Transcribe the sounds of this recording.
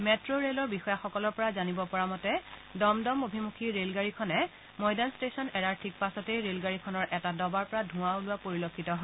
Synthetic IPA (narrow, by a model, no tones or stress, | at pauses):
mɛtɹoɹelɔɹbixɔjaxɔkɔlɔɹpɔɹazanibɔpɔɹamɔtɛdɔmdɔmobʱimukʰiɹelɡaɹikʰɔnɛ | mɔjdanstesɔnɛɹaɹtʰik̚pasɔtejɹelɡaɹikʰɔnɔɹʔɛtadɔbaɹpɔɹadʱʊ̃awlʊwapoɹilokʰːitɔɦɔ